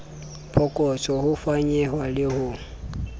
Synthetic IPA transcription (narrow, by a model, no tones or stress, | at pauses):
pʰɔkʼɔt͡sʼɔhʊfaɲɛɦwalɪhʊ